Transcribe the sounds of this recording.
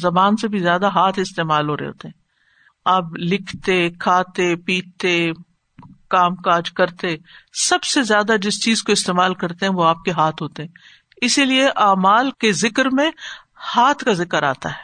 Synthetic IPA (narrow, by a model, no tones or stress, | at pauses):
zɐbaːnsebʱizjaːd̪aɦaːt̪ʰɪst̪eːmaːlɦoːɾḛɦo̰ːt̪eɦɛ̃ː | ɐblɪkʰt̪ekʰaːt̪epiːt̪e | kaːmkaːd͡ʒkɐɾt̪esɐbsezjaːd̪ad͡ʒɪst͡ʃiːzkoɪst̪eːmaːlkɐɾt̪eɦɛ̃ʋoaːp̚keɦaːt̪ʰɦoːt̪eɦɛ̃ː | ɪsilieʔaːmaːlkezɪkəɾmẽ | haːt̪ʰkazɪkəɾa̰ːt̪a̰ɦɛː